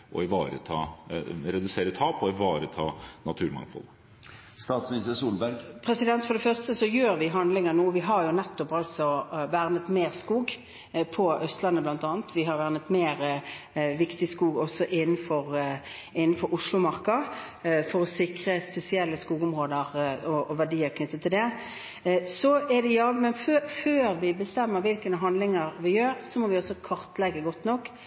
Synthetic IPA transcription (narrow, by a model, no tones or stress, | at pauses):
ʔɔ̰ɪʋɑːɾə̰t̪ʰɑ̰ːɾɛd̪ʉseːɾət̪ʰɑːpɔɪʋɑːɾət̪ʰɑːnɑt̪ʰʉːɾmɑ̰ŋfɔ̰lə | st̪ɑːt̪smisəsuːlbæɾɡpʰʁɛsɪd̪ɛnt̪fɔɖ̪ɛfœʁst̪əsɔjøːɾʋɪɦɑnd̪lɪŋənuːʋɪɦɑɾjʊnɛt̪ːɔpɑlsɔʋæʁnət̪meːʁskuːɡ | pʰɔʔœst̪lɑnːəblɑnt̪ɑːnt̪ʰʋɪɦɑɾʋæʁnət̪meːʁ | ʋɪkt̪ɪskuːɡɔsɔʔɪnːnfɔɾɪnːn̩fɔɾʊʂlʊmɑɾkə | fɔɾɔsɪkɾəspɛsɪɛlːəskuːɡʊmʁoːd̪əɾɔɔʋæɖiːəɾkʰnʏt̪ːət̪ʰːɪld̪ɛ | sɔæd̪ɛjɑːʋmɛnføføːɾʋɪbəst̪ɛmːəɾʋɪlkənəɦɑnd̪lɪŋəɾʋɪjøːɾsɔmɔʋɪɔsːɔkʰɑʁt̪lɛɡːəɡɔt̪nɔkː